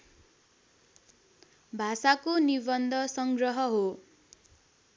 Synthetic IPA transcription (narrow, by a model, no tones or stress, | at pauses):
bʱasakonibʌnd̪ʱʌsʌŋɡrʌɦʌɦo